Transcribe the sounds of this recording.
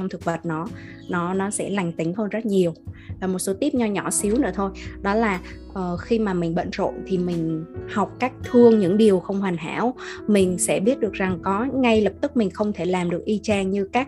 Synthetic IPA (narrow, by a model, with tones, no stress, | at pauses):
t͡ɕɔ˧wŋ͡mt̪ʰɨ˨˩k̚ɓə˨˩t̚nɔ˨˦ | nɔ˨˦nɔ˨˦sɛ̰˧˥la˨˩jŋ̟t̪ï˨˦ŋ̟həː˧nzə˦˥t̚ɲi˨˩əwvaː˨˩mo˨˩t̚so˨˦t̪i˦˥p̚ɲɔ˧ɲɔ˧˩si˨˦wnɨ̰˧˥ət̪ʰo˧jɗɔ˨˦laː˨˩ʔəː˨˩xi˧maː˨˩mï˨˩ŋ̟ɓə̰˧˨nzo̰˧˨jt̪ʰi˨˩mï˨˩ŋ̟ha˨˩wk͡p̚kaː˦˥k̚t̪ʰɨ˧əŋɲɨ̰˧˥ŋɗi˨˩əwxə˧wŋ͡mhwa˨˩ŋ̟ɦa̰ː˧˩˥wmï˨˩ŋ̟sɛ̰˧˥ɓi˦˥ət̚ɗɨ˨˩ək̚za˨˩ŋkɔ˨˦ŋa˧jlə˨˩p̚t̪ɨ˦˥k̚mï˨˩ŋ̟xə˧wŋ͡mt̪ʰe˧˩laː˨˩mɗɨ˨˩ək̚ʔi˧t͡ɕaː˧ŋɲɨ˧kaː˦˥k̚